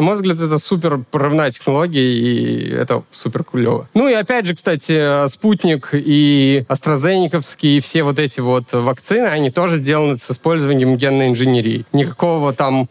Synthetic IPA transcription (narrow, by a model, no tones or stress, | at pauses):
nɐmojvzɡlʲædt̪ɛt̪əsup̬ʲɪrpəɾɨvnajətʲɪ̥xnɐlˠoɡʲɪjəḭɛ̰t̪əsupʲɪrkʊlʲːo̰və̰nuiɐpʲædʲʐɨkst̪atʲɪəsputʲnʲɪkiɐst̪ɾɐzɛnʲɪkəfskʲɪjifsʲevo̞t̪ɛtʲɪvo̞t̪vɐkt̪sɨnɨɐnʲit̪o̞ʐɨzʲdʲelˠənɨsɨspo̞lʲzəvənʲɪjəmɡʲe̞nːəɪnʐɨnʲeɾʲḭjːnʲɪkɐko̞vət̪am